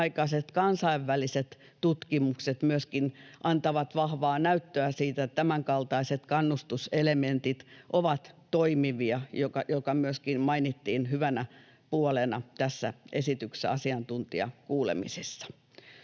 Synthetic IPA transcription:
ikɑset̪kɑnsɑiʋːæliset̪ | t̪ut̪kimukset̪myøskinʔɑnt̪ɑʋɑt̪ʋɑhʋɑːnæyt̪ːøæsiːt̪æt̪æmæŋkɑlt̪ɑiset̪kɑnːust̪uselement̪it̪ʔoʋɑt̪toimiʋiɑjokɑjokɑmyøskinmɑinit̪ːiːnhyʋænæ | puolenɑt̪æsːæ̰ʔesit̪ykseɑsiɑnt̪unt̪iɑ̰kuːlḛmḭsesːɑ̥

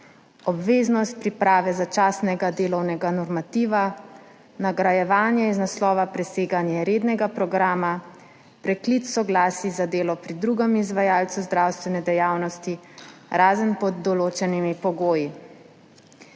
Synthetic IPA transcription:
ɔbʋeːznɔst̪̚pɾipɾaːʋɛzat͡ʃaːsnɛɡad̪eːlɔwnɛɡanɔɾmat̪iːʋa | naɡɾajɛʋaːnjɛiznaslɔːʋapɾɛseːɡanjɛɾeːd̪nɛɡapɾɔɡɾaːma | pɾɛklit̪sɔɡlaːsizad̪eːlɔpɾid̪ɾuɡɛmizʋajaːlt̪suzd̪ɾawst̪ʋɛnɛd̪ɛjaːwnɔst̪iɾaːzənpɔd̪ːɔloːt͡ʃɛnimipɔɡoːji

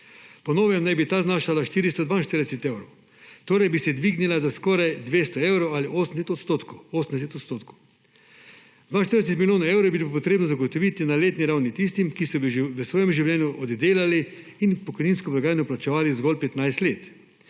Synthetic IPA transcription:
pɔnoːʋjɛmnajbit̪aːznaːʃalaʃt̪iːɾist̪ɔd̪ʋaːnʃt̪əɾd̪ɛsɛt̪ewɾow | t̪oːɾajbisɛd̪ʋiɡnilazaskɔːɾajd̪ʋeːst̪ɔɛwɾowaliʔoːsənd̪set̪ɔt̪st̪ot̪kooːsən̩d̪ɛs̬et̪ot̪st̪oːt̪kow | d̪ʋaːnʃt̪əɾd̪ɛs̬ɛt̪milʲjoːnaewɾobilpɔt̪ɾeːbnɔzaɡot̪ɔʋit̪inaleːt̪niɾawnit̪ist̪imkisɔʋəsʋɔːjɛmʒiwlʲɛːnjuʔɔd̪d̪eːlali | inpɔkɔjniːnskɔpɾaɡaːjanjɔplat͡ʃɛʋaːlizɡɔlpɛt̪najst̪leːt̪

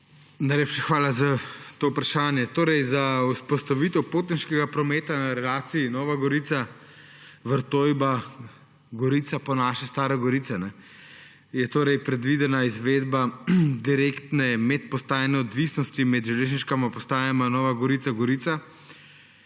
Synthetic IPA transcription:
najleːpʃaxʋaːlazat̪oːupɾaʃaːnjɛt̪oːɾɛjzauspɔst̪aʋit̪ɛwpoːt̪ninʃkɛɡapɾɔmeːt̪anaɾɛlaːt̪siinɔːʋaɡɔɾiːt̪sa | ʋəɾt̪oːjba | ɡɔɾiːt̪sapɔnaːʃɛst̪aːɾɛɡɔɾitsɛnɛ | jɛt̪oːɾɛjpɾɛd̪ʋid̪ɛnaizʋeːd̪bad̪iɾekt̪nɛmɛt̪̚pɔst̪aːjnɛɔd̪ʋisnɔst̪imɛd̪ʒɛleːʒniʃkamapɔst̪aːjamanɔːʋaɡɔɾiːt̪saɡɔɾiːt̪sa

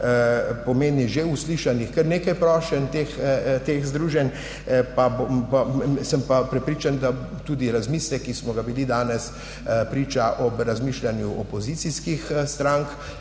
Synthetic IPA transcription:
pɔmenniʒeusliːʃanixkəɾneːkajpɾɔːʃɛnt̪eːxt̪eːxzd̪ɾuːʒɛn | pabo | səmpapɾɛpɾiːt͡ʃand̪at̪ud̪iɾazmiːslɛkismɔɡabilid̪aːnɛs | pɾiːt͡ʃaʔɔbɾazmiʃlanjuʔɔpɔzit̪siskixst̪ɾaŋk

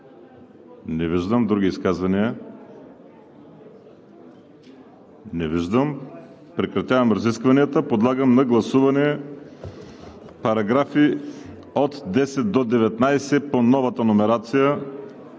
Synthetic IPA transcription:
nɛviʒd̪əmd̪ɾuɡ̟ʲiːskazvɐniə | nɛviʒd̪əm | pɾɛkɾɐt̪ʲavɐmɾɐziskvɐniət̪əpod̪lˠaɡəmnɐɡlˠɐsuvɐnɛ | pɐɾɐɡɾafi | ot̪d̪ɛsɛt̪̚d̪od̪ɛvɛt̪najsɛponɔvɐt̪ɐnomɛɾat̪sijə

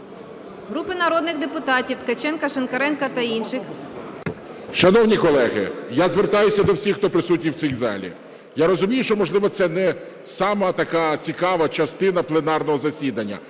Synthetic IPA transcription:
ɦɾupɪnɐɾɔd̪nɪxd̪epʊt̪ɑtʲiwt̪kɐt͡ʃɛnkɐʃenkɐɾɛnkɐt̪ɐinʃɪx | ʃɐnɔwnʲikɔlˠɛɦɪ̰jazʋert̪ɑjʊsʲɐd̪ɔwsʲixt̪ɔpɾɪsut̚ʲnʲiw̪sʲijzɑ̰lʲḭ | jaɾɔzʊmʲijʊʃt͡ʃɔmɔʒlˠɪʋɔt̪sɛnɛ | sɑmɐt̪ɐkɑt͡sʲikɑʋɐt͡ʃɐst̪ɪn̪ɐplˠenɑrnɔɦɔzɐsʲid̪ɐnʲːɐ̰

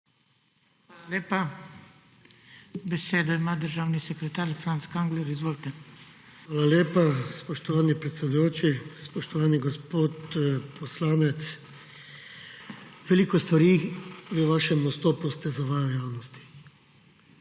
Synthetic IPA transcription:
xʋaːlaleːpa | bɛseːd̪ɔimaːd̪əɾʒaːwnisɛkɾɛt̪aːɾfɾant̪skaŋɡlɛɾizʋoːlt̪ɛ | ʋaːlaljeːpaspɔʃt̪ɔʋaːnipɾɛt̪sɛd̪ujoːt͡ʃispɔʃt̪ɔʋaːniɡɔspoːt̪pɔslaːnɛt̪s | ʋɛliːkɔst̪ʋaɾiʋəʋaːʃɛmɔst̪oːpust̪ɛzaʋaːjɔjaːwnɔst̪i̥

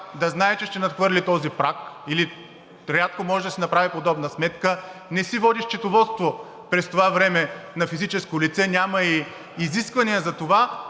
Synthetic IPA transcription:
d̪ɐznaɛt͡ʃɛʃt̪ɛnɐt̪xvɤɾlit̪ɔzipɾakili | ɾʲat̪̚komɔʒɛd̪ɐsinɐpɾavipod̪ɔbnəsmɛt̪kənɛsivɔd̪iʃt͡ʃɛt̪ovɔt̪st̪vo | pɾɛst̪ovavɾɛmɛnɐfizit͡ʃɛskolit̪sɛnʲamɐiː | ziskvɐniəzɐt̪ova

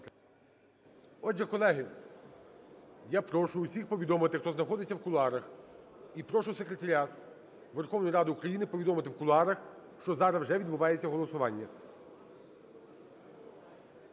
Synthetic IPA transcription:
ɔʒɛkɔlˠɛɦɪ | japɾɔʃʊːsʲixpɔʋʲid̪ɔmɪt̪ɪxt̪ɔznɐxɔd̪ɪt͡sʲːɐwkʊlˠɑɾɐxipɾɔʃʊwse̞kɾet̪ɐɾʲiat̪ | ʋerxɔwnɔjɾɑd̪ɪukɾɐjinɪpɔʋʲid̪ɔmɪt̪ɪwkʊlˠɑɾɐx | ʃt͡ʃɔzɑɾɐwʒɛʋʲid̪̚bʊʋɑjet͡sʲːɐɦɔlˠɔsʊʋɑnʲːɐ

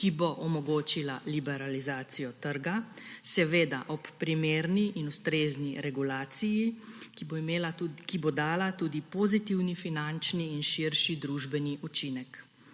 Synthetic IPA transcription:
kiboʔɔmɔɡoːt͡ʃilalibɛɾalizaːt̪sijɔt̪əɾɡasɛʋeːd̪aʔɔpːɾimeːɾniʔinust̪ɾeːzniɾɛɡulaːt̪siji | melakibod̪aːlat̪uːd̪ipoɔzit̪iwnifinant͡ʃniːnʃiɾʃid̪ɾuːʒbɛniʔut͡ʃinɛk

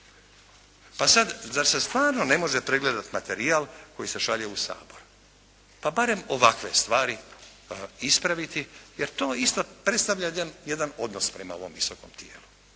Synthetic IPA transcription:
pasad̪zaɾsest̪ʋaːɾno̞ne̞mo̞ʒepɾe̞ɡled̪at̪mat̪e̞ɾiaːlko̞jise̞ʃaʎeusa̰ːbo̞ɾu | pabaɾe̞mo̞ʋakʋe̞̰st̪ʋaːɾi | ispɾaʋit̪ijeɾt̪o̞ːist̪opɾe̞t̪st̪aʋʎadanjed̪ano̞d̪no̞spɾema̰o̞ʋo̞̰mʋisoko̞̰mt̪jḛːlu

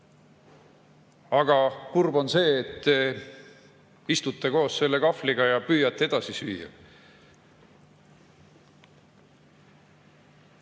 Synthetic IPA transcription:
ɑɡ̥ɑkurbo̞nse̞ːt̪ːe | ist̪ut̪ˑːeko̞ːsse̞lːe̞kɑfliɡ̥ɑjɑpyːjːɑt̪ˑːeed̪̥ɑsisyːjɑ̰

